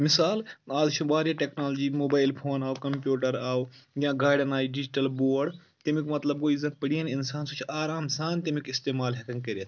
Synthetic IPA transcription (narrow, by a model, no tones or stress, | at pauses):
mɪsaːlaːzʃũbaːɾjaʈeknaːloːd͡ʒiːmoːbaːɪlpʰoːnaːokɐmpjuːʈɐɾaːojãːɡaːɖɐnaːiːɖɪd͡ʒʈɐlboːɖ | t̪emikmɐt̪lɐbkoːizɐnpəɽijɐnɪnsaːnsut͡ʃʰaːɾaːmsaːnt̪emikɪst̪eːmaːlɦɐkɐŋɡkəɾet̪